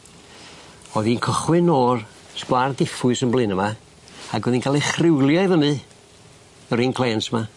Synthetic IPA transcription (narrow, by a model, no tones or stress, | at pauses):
oðiːnkʰəχwɨnoːr | skwardɪfʊɨsənblˠɨnəma | aɡwɛðinkʰalˠiχrɪwlˠjajvənɨ | əɾiːnkʰl̥ˠeːnsəma